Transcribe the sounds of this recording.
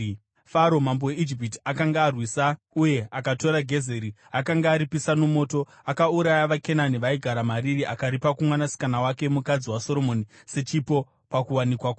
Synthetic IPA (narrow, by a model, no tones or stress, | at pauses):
faɾo̞mamboweid͡ʒip̬iti̥akaŋɡaːrwisa | uje̞akato̞ɾaɡʱe̞ze̞ɾi | akaŋɡaːɾipisano̞mo̞ːto̞ | akauɾajaʋake̞naniʋaiɡʱaɾamaɾiriʔakaɾipakumwanasi̥kanawake̞mukad͡ziwaso̞ɾo̞mo̞nise̞t͡ʃipo̞ | pakuwanikwako